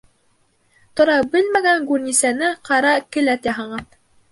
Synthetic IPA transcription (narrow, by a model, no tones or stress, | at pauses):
t̪ŏɾɑbɘlmæɡæŋɡʉɾnisænɘqɑɾɑkɘ̆læt̪jɑɦɑɴɤn